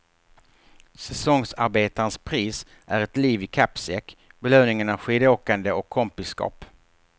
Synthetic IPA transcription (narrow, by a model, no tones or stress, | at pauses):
sɛsɔŋsaɾbeːt̪aɾənspʰɾiːs | ʔæɾɛt̪liːvɪkʰapsɛkbɛløːnɪŋənaɧiːd̪əoːkand̪əɔkʰːɔmpɪsːkɑ̰ːp